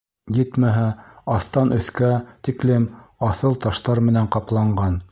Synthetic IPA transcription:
jɘt̪mæɦæɑθt̪ɑnʔɵ̆θkæt̪iklɘmɑθɤlˠt̪ɑʃt̪ɑɾmɘ̆næɴqɑplˠɑɴɢɑn

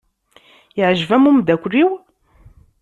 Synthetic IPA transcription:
ɪʕʒvæmumd̪ækʷriw

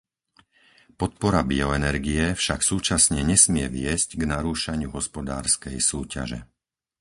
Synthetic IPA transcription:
pɔt̪̚pɔɾabiɔɛnɛɾɡijɛfʃaksuːt͡ʃasɲɛɲɛsmɪɛʋɪɛzcɡnaɾuːʃaɲɪuɦɔspɔd̪a̰ːɾskɛjsuːca̰ʒɛ̰

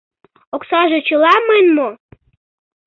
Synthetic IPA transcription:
oksɑʒet͡ɕəlɑmənmo

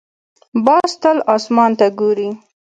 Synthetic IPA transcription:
bɑst̪əlɑsmɑnt̪aɡoɾi

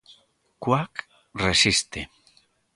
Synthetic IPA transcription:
kwak | resist̪e

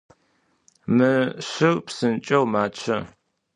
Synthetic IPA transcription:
mɨɕɪrpsɨnt͡ʃʼɐwmaːt͡ʃʰɐ

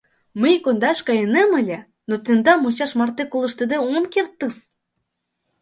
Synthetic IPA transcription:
məjkond̪ɑʃkɑjɤnemə̆lʲĕ | not̪end̪ɑmot͡ɕɑʃmɑrt̪ekolə̆ʃt̪ĕd̪eomkert̪ːəs

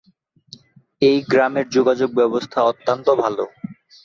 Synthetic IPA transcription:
ejɡɾameɾd͡ʑoɡad͡ʑoɡ̚bɛbost̪ʰaɔt̪ːant̪obʱalo

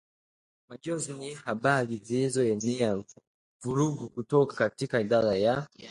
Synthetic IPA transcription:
maʄɔznihaɓaɾizilizɔɛnia | vuɾuɡukutɔkḁkatikaiɗaɾaja

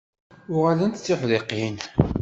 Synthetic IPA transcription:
ʊʁalənt̪t͡sːɪħleqːin

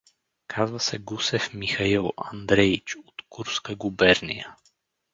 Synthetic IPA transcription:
kʰazvəsɛɡusɛfmixɐilˠɐ̰nd̪ɾɛit͡ʃot̪kuɾskəɡubɛɾnḭjə

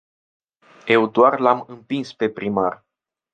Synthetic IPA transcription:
je̞wd̪oarlamɨmpinspe̞pɾimar

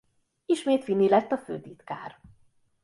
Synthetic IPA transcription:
iʃmeːt̪finːilɛt̪ːɒfø̰ːt̪it̪kaːr

